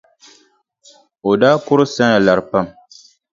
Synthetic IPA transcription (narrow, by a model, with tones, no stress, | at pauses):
o˨daː˦kʊ˦ɾɨ˦sa˦ŋa˨la˨ɾpa˦˨m